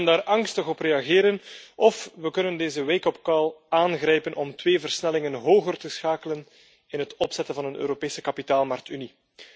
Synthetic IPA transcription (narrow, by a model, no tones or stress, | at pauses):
əndaːɾɑŋstəɣɔpreːɑɣɪːɾənʔɔfʋəkɵnəndeːzəʋejkɔp̚kɑlˠaːnɣrɛjpənʔɔmtweːvərsnɛlɪŋənɦoːɣərtəsxaːkələn | ɪnɦətɔpsɛtənvɑnənø̰ːɾopeːsə̥kɑpitaːlˠmɑrk̚tyni